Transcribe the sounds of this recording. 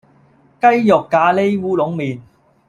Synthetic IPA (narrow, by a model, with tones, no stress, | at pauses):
kɐ˥jjɔ˨kːaː˨˧le˥jwuː˨˥lʊ˨˥ŋmiː˨˩n